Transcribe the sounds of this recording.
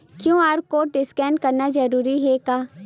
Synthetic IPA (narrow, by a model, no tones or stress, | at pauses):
kjõːaːɾkoːʈɖɪskɛːɳɖ̚kɐɾnad͡ʒɐɾuːɾiɦɛkaː